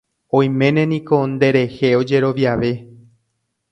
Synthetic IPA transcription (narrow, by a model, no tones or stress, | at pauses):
õ̞j̃mẽ̞nẽ̞nĩko̞nd̪e̞ɾe̞heo̞d͡ʒe̞ɾo̞ʋjaʋe̞